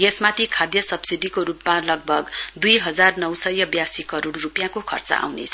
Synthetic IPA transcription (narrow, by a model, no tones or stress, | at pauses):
ɡesmat̪ʰikʰad̪jʌsʌbsiɖikoɾupmalʌɡ̚bʱʌɡd̪ujɦʌd͡zarnʌwsʌjʌbjasikʌɾoɽrupjãkokʰʌ̰rt͡sʌ̰ʔa̰wnḛt͡sʰʌ̥